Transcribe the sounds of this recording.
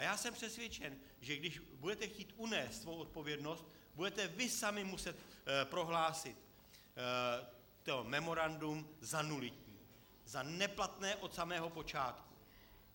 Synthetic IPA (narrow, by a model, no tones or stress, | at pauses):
ajaːsɛmpr̝̥ɛsvjɛt͡ʃɛn | ʒɛɡdɪʃbudɛt̪ɛxciːt̪unɛːst̪svowʔot̪̚po̞vjɛdno̞st̪̚ | budɛt̪ɛvɪsamɪmusɛt̪pɾo̞ɦlaːsɪt̪ | t̪omɛmo̞ɾandumzanulɪcɲiː | zanɛplat̪nɛːʔo̞t̪samɛːɦo̞po̞t͡ʃaːt̪ku